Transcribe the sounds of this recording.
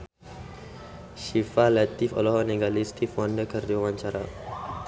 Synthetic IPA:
ʃifalɛt̪ifɔ̰lɔɦɔneɡalist̪ifwɔndəkərd̪awãɲt͡ʃaɾa̰

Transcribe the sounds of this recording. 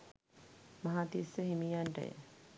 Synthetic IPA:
maɦat̪isəɦimijaɳʈə̰jə̰

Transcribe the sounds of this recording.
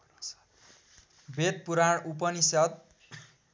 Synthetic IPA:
bʱet̪̚puɾaɳup̬ʌnisʌt̪̚

